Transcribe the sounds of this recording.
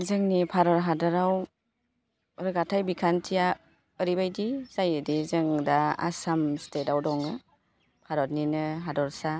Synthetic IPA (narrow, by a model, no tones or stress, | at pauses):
zɯŋnipʰaɾɔɾɦadɔɾaw | ɾɯɡatʰajbikʰantʰija | əɾibajdizajɯdizɯŋdaa̰samstetawdɔŋɯ | pʰaɾɔɾninɯɦadɔɾsa